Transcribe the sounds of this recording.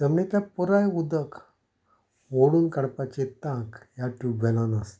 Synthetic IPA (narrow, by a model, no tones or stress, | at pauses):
t̪əmnet̪japɔɾajud̪ək | ʋoɽuːnkəɽpat͡ɕet̪ãkjaʈuʋɛlanas